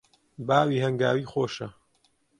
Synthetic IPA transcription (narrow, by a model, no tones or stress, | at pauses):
baːwiːhɐŋɡa̰ːwiːxoːʃɐ